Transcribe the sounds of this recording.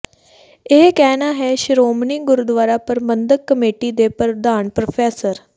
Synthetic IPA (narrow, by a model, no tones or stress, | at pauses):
ekɛnaɦeɕɾomniːɡʊɾud̪ʋaːɾapəɾmənd̪əkːəmeʈiːd̪epəɾd̪aːɳpɾofʰeːsəɾ